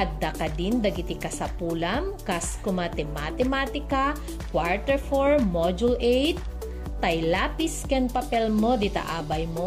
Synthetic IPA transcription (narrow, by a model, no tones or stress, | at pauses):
ɐt̪̚d̪ɐkɐd̪ind̪ɐɡɪt̪ɪkɐsɐpuːlɐmkaskʊmɐt̪ɛmat̪ɛmaːt̪ɪka | kwaɹt̪ɛɹfoɹmod͡ʒulʔejt̪̚ː | ɐjlapiskɛnpɐpɛlmod̪ɪt̪a̰ʔaːbɐjmo